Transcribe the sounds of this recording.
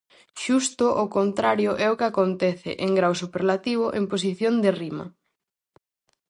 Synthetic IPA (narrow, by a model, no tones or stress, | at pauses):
ʃust̪ʊʔokont̪ɾaɾjoʔɛʊkɪakont̪ɛθɪ̰ʔeŋɡɾawsupeɾlat̪iβ̞ʊʔempos̬iθjond̪erimɐ̰